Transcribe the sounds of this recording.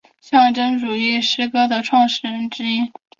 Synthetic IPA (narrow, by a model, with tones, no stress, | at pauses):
ɕjɑ˥˩ŋʈ͡ʂɤ˥ŋʈ͡ʂu˨˩i˥˩ʂɻ̩˥kɤ˥d̪ə˨ʈ͡ʂʰwɑ˥˧ŋʂɻ̩˥˩ɻə˧˥nʈ͡ʂɻ̩˥i˥